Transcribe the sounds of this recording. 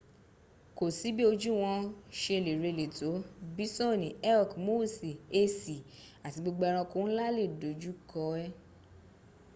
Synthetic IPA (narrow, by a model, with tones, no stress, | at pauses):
ko˨si˨˦bi˦o˧d͡ʒu˦w̃ɔ̃˧ʃe˧˨le˨ɾe˧˨le˨to˨˦bi˦sɔ̃˦˨nĩ˨ɛ˦ɔ˨kmo˦˨si˨e˧si˨ | a˨ti˨˦ɡ͡bo˧ɡ͡ba˧ɾ̃ã˧ko˦n̩˦la˦le˦˨do˨d͡ʒu˦kɔ˦ɛ˦